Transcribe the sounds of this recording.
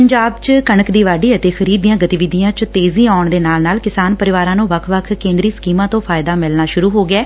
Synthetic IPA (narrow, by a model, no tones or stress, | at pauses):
əɲd͡ʒaːbt͡ʃkəɳəkd̪iːʋaːɖiːət̪eːxʰəɾiːd̪ijãːɡət̪iʋɪd̪ijãːt͡ʃt̪eːzĩːaːʊɳd̪eːnaːlnaːlkɪsaːnpəɾɪʋaːɾãːnũːʋəkʰʋəkʰkẽːnd̪ɾiːskiːmãːt̪õːpʰaːjɪd̪aːmɪlnaːʃʊɾuːɦoːɡɪɛː